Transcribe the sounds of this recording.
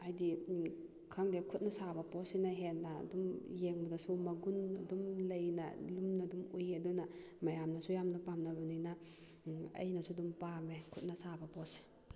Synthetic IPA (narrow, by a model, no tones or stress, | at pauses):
ajdi | kʰaŋdekʰut̚nɐsabɐpɔsinaɦenːa̰dumjeŋbadasumɐɡunɐ̰dumlɐjna̰lumnadumujaduna | majamnasujamnɐpamnabanina | ɐ̰jnɐsudumpamekʰut̚nɐsabɐpɔs